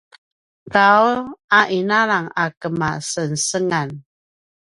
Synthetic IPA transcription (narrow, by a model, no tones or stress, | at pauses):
ɡaulaʔinaɾaŋakəma̰sənsəŋan